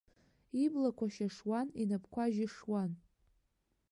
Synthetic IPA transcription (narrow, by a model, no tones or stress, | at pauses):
iblakʷʰaʃaʂwaninapʰkʷaʒɪʂwan